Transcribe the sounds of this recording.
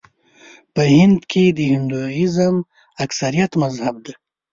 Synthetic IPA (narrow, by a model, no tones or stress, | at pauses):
pəhɪnd̪kʰed̪əhɪnd̪uɪzəm | aksaɾijat̪mazhab̚d̪a